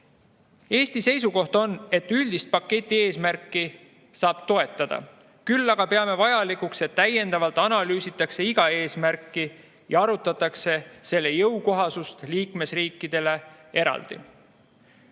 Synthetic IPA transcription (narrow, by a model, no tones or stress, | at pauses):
e̞ːst̪ise̞jsuko̞ht̪o̞ne̞t̪ːˑylʲd̪̥ist̪̚pɑkːe̞t̪ʲˑːie̞ːsmærkːˑi | sɑːb̥t̪o̞e̞t̪ːˑɑd̪̥ɑ̰ | kylːɑɡ̥ɑpe̞ɑme̞vɑjɑlikukse̞t̪ːæje̞nd̪̥ɑvɑlt̪ːˑɑnɑlyːsit̪ːˑɑkse̞iɡ̥ɑe̞ːsmærkːˑi | jɑɑɾut̪ːˑɑt̪ːˑɑkse̞se̞lːe̞jɤwko̞ɦɑsust̪liːkme̞sriːkːˑid̪̥e̞le̞ | e̞ɾɑ̰ld̪̥ḭ